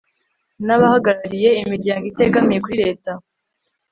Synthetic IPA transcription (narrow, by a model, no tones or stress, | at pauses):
naβahaɡaɾaɾije̞imiɾɟaːŋɡite̞ɡamije̞kuɾiɾe̞ːta